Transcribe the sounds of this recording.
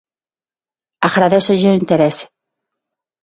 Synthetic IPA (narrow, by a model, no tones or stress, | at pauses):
aɣɾaðesoʒeint̪eɾese̥